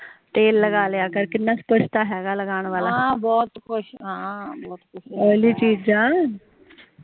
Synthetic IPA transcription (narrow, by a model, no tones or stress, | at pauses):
t̪eːlːəɡaljakəɾkit̪nːaspəʂt̪əaɦaɡaləɡaɽ̃ʋalabɔːt̪koɕɦãbɔːt̪kuʃəliːt͡ɕiːd͡ʑa